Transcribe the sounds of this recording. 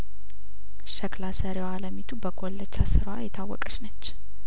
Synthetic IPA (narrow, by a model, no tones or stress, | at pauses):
ʃəklasəɾewaləmit̪ʰubəɡʰʼolːət͡ʃːasɨɾwajɛt̪ʰawːɔ̰kʼəʃnət͡ʃː